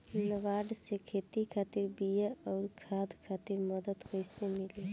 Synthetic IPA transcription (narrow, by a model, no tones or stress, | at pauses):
nəʋaɖsekʰet̪ikʰat̪iɾbijaɔːɾkʰad̪kʰat̪ɪɾməd̪əd̪kəjsemile